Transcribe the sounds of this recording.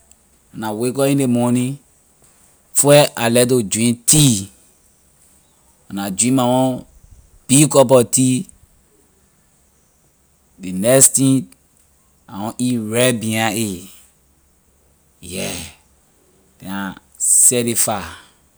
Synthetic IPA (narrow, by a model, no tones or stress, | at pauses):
anawekɔĩndemɔnĩ | fɛʔalɛt̬od͡ʒĩntʰi | anad͡ʒĩmawɔ̃ | b̥ikɔbɔti | denɛstĩ | awɔ̃ʔiɹɛbĩãe | jɛ | d̥ɛa | sɛɾefa